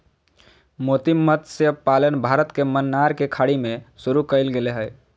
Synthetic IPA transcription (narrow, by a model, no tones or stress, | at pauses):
mot̪imːət̪sepalənbʱaɾət̪kemənːaɾkekʰaɽimesuɾukəɪlɡeleɦəj